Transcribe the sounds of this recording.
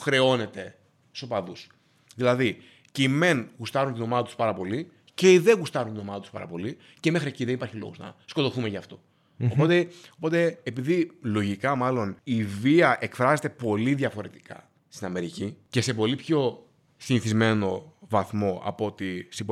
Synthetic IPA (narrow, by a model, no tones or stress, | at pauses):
xɾe̞o̞ne̞t̪e̞ | st̪opɐðus | ðilɐði | ceime̞nɣust̪ɐɾunt̪ino̞mɐðɐt̪uspɐɾɐpo̞li | ce̞iðe̞ɣust̪ɐɾunt̪ino̞mɐðɐt̪uspɐ̰ɾɐ̰po̞li | ceme̞xɾieciðenipɐɾçiloɣoznɐ̰sko̞t̪o̞θumeʝɐːft̪o̞ | opo̞t̪e̞opo̞t̪e̞ːpiðilo̞ʝikɐmɐlo̞niviɐʔe̞kfɾɐze̞t̪e̞po̞liðjɐfo̞ɾe̞t̪i̥kɐ̰ | st̪inɐme̞ɾicice̞se̞po̞lipço̞ | siniθizme̞no̞vɐθmo̞ʔɐ̰po̞t̪isep